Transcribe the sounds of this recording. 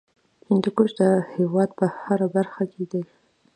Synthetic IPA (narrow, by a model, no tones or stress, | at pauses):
hɪnd̪ukoʃd̪əhewɑd̪̚pəhaɾabaɾxaked̪ej